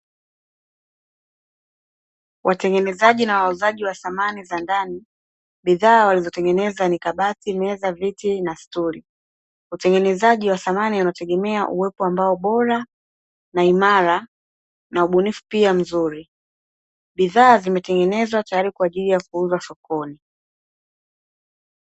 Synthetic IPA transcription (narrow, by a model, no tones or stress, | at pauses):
wʔatɛŋɡɛnɛzaʄinawauzaʄiwaθamanizandani | ɓiðaːwalizɔtɛŋɡɛnɛzanikaɓatimɛzavitinastuli | utɛŋɡɛnɛzaʄiwaθamanianatɛɠɛmɛaʔuwɛpɔambaɔɓɔɾa | naimaɾa | nauɓunifu̥piam̩zuɾi | ɓiðaːzimɛtɛŋɡɛnɛzwatajaɾikwaːʄilijakuuzwasɔkɔni